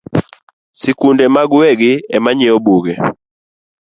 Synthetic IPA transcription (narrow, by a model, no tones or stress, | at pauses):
sikundɛmaɡɛɡiɛmaɲɛɔbuɡɛ